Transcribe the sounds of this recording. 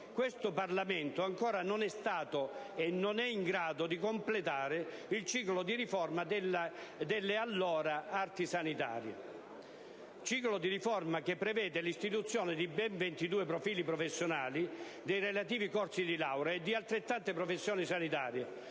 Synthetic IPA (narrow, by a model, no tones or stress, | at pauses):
kwest̪ʊparlament̪ʊaŋkɔːɾanonɛst̪aːt̪oenːonɛiŋɡɾaːd̪od̪ikomplet̪aːɾɪilt͡ʃiːklod̪iɾifɔrmad̪elːad̪elːealːɔːɾaart̪isanit̪a̰ːɾjḛ | t͡ʃiːklod̪iɾifɔrmakepːɾevɛːd̪elist̪it̪ut̪sːjɔːnɪd̪ibɛɱvent̪id̪uːepɾofiːlipɾofesːjonaːlid̪ejrelat̪iːvikɔrt̪sid̪ilawɾaed̪ːialt̪ɾet̪ːant̪ɪpɾɔfesːjɔːnisanit̪a̰ːɾje